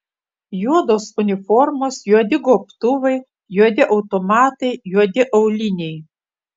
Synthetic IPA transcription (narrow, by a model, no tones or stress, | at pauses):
juɔd̪oːsʊnʲɪfɔɾmoːsjuɔd̪ʲɪɡoːpt̪ʊʋɐɪ | juɔd̪ʲɪʔɐʊt̪omɑːt̪ɐɪjuɔd̪ʲɪʔɐʊlʲɪnʲɛɪ